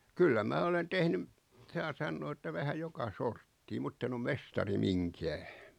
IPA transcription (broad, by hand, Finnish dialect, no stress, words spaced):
kylːæ mæː olen tehnym sɑː sɑnːoː etːæ ʋæhæ jokɑ sortːiː mutː en om mestɑri miŋkæː